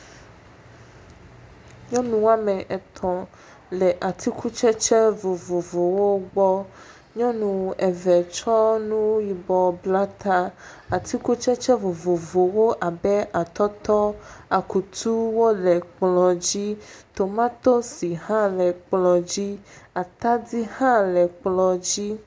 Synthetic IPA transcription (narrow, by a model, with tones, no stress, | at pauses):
ɲɔ̃˦nũ˨a˨mɛ˨ʔɛ˨t̪ʰɔ̃˨ | lɛ˨ʔa˨t̪ʰi˦kʰu˦t͡ʃɛ˦t͡ʃɛ˦vo˨vo˨vo˨wo˦ɡ͡bɔ˦ | ɲɔ̃˦nũ˨ɛ˨vɛ˨t͡ʃɔ˦nũ˦ji˨bɔ˨bla˦t̪a˦ | a˨t̪i˦ku˦t͡ʃɛ˦t͡ʃɛ˦vo˨vo˨vo˨wo˦ʔa˨bɛ˦a˨t̪ɔ˦t̪ɔ˦a˨ku˨t̪u˦wo˦lɛ˨k͡plɔ˨d͡ʑi˦t̪o˨mã˦t̪o˦si˨hã˦lɛ˨k͡plɔ˨d͡ʑi˦a˨t̪a˦di˦hã˦lɛ˨k͡plɔ˨d͡ʑi˦